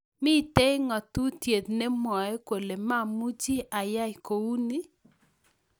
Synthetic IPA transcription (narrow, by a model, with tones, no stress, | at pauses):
mɪ˦˨te˦ŋɔ˨tu˦tje˨t̪̚ne˦mɔ˨ɛ˦kwo˨le˨ma˦˨mu˦t͡ʃi˦ʔa˨ja˦jko˨u˦ni˦